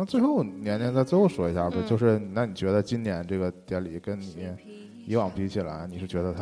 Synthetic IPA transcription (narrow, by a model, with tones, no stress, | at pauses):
na˥˧t͡swe˥˧ɪxo˥˩ʊnjɛ˧˥njɛ˧˥nt͡sa˥˧ɪt͡swe˥˧xʊʂwɔ˧˥i˧˥ɕja˥˧˩ɔ˥˩t͡ɕo˥˧ʊʂɻ̩˥˩ni˨˩na˥˩ni˨˩t͡ɕɥɛ˧˥d̪ə˧t͡ɕi˥nnjɛ˧˥nʈ͡ʂɤ˥˩ɡə˩t̪jɛ˧˥li˨˩kə˥nni˨˩˦ | i˧˥wɑ˨˩ŋpʰi˧˥t͡ɕʰi˨˩la̰˧˥ɪni˨˩ʂɻ̩˥˩t͡ɕɥɛ˧˥d̪ə˧t̪ʰa˥